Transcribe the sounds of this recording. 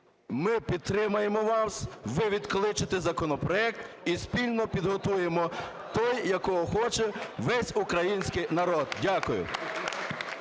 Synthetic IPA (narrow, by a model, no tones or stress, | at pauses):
mɪpʲid̪̚t̪ːɾɪmɐjemɔʋɑsʋɪʋʲid̪klˠɪt͡ʃɪt̪ezɐkɔnɔpɾɔɛk̚t̪ | ispʲilʲnɔpʲid̪ɦɔt̪uje̞mɔ | t̪ɔjjɐkɔɦɔxɔt͡ʃeʋɛsʲukɾɐjinʲsʲkɪjnɐɾɔd̪̚dʲakʊjʊ̰